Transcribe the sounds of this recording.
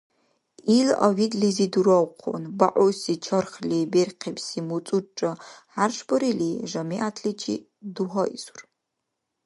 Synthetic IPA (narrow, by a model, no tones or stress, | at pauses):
ilɐ̰widliziduɾɐwqʰɔ̰nbaʔʊsit͡ʃʰɐrχliberqʰipsimut͡sʼuʈ͡ʂʼɐħarʂbɐɾiliːʒɐmiʔatʰlit͡ʃʰʼḭː | duɦɐʔḭsur